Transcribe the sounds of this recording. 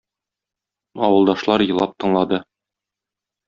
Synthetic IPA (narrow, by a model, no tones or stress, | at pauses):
ɒwɤ̆lˠd̪ɑʃlˠɑɾjɤ̆lˠɑp̚t̪ɤ̆ɴlˠɑd̪ɤ